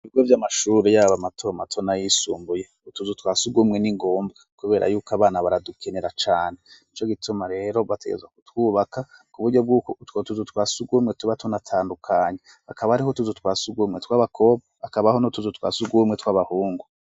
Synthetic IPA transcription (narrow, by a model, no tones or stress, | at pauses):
iβibɡwevjamaʃuːɾejaːβamatʰomatʰonajisṵːmbuje̞ | utuzutwaːsuɡumŋeniŋɡoːmbɡakuβe̞ːɾʔa̰juːkaβaːnaβaɾadukʰe̞ne̞ɾat͡ʃaːneit͡ʃo̞ɡitʰumaɾe̞ːɾo̞βate̞ɡḛzɡwakutwuːβakakuβuɾɟo̞b̚ɡuːkotwotuzutwaːsuɡumŋetuβatunatʰaːndukʰaːɲe | akaβahaɾihotuzutwaːsuɡumŋetwaːβakʰo̞βaakaβahonotuzutwa̰ːsuɡumŋetwaβahuːŋɡu